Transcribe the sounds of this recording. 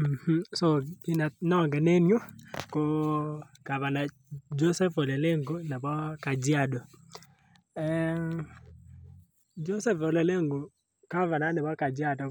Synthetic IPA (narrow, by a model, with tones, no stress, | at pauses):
m̩˨h̩˦so˦˨ɡɪ˦na˨nɔ˦ŋɡɛ˨ne˦njo˦ko˦ | ka˨va˨na˨ | d͡ʒo˦sɛ˦fo˨le˨le˦ŋɡo˦na˨bɔ˦ka˨d͡ʒja˦dɔ˨ | ɛ˨ | d͡ʒo˦sɛ˦fo˨le˨le˦ŋɡo˨ | ka˦va˨na˦nɛ˨bɔ˦ka˨d͡ʒɪ˦a˦dɔ˨